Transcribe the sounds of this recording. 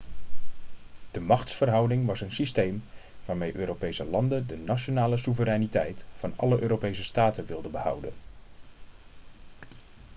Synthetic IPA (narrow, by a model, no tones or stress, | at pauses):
d̥əmɑχtsfərɦʌwdɪŋʋɑsənsistejm | ʋaːɹmejʔøːɾowpejsəlɑndəndənaʃonaːləsuvəɾɛjnitɛjtfɑnɑ̰ləʔøːɾowpejsəstaːtənʋɪlˠdəbəhʌ̰wdə̰n